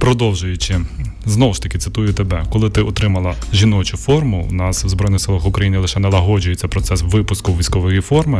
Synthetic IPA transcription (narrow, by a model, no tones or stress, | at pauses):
pɾɔd̪ɔwʒʊjʊt͡ʃɪznɔʋʊʃt̪ɐkʲɪt̪ɪ̥t̪ujʊt̪ebɛkɔlˠɪt̪ɪɔt̪ɾɪmɐlˠɐʒʲinɔt͡ʃʊfɔrmʊwnɑswzbɾɔjnɪxsɪlˠɐxʊkɾɐjinɪlˠɪʃɛnɛlˠɐɦɔd͡ʒʊjet͡sʲːɐpɾɔt̪sɛsʋɪpʊskʊwʋʲijsʲkɔʋɔjifɔrmɪ